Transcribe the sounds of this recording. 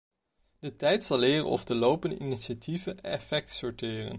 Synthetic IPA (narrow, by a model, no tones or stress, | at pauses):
d̥ətɛjtsɑlɪːrə̰nɔ̰fdəlowpəndəʔiniʃativəɛfɛk̚tsɔɹtɪːrə̰n